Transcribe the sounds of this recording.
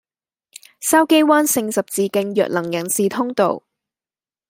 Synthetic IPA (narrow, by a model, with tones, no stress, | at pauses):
sɐ˥wke˥jwaː˥nsɪ˧ŋsɐ˨p̚t͡siː˨˧kɪ˧ŋjœ̰ː˨k̚lɐ˨˩ŋjɐ˨˩nsiː˨t̪ʰʊ˥ŋt̪o̰˨w